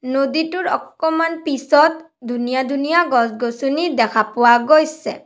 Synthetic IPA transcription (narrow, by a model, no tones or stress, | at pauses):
noditʊɹɔ̰kːɔmanpisɔt | dʱunijad̪ʱunijaɡɔsɡosunidɛkʰapʊwaɡojsɛ̰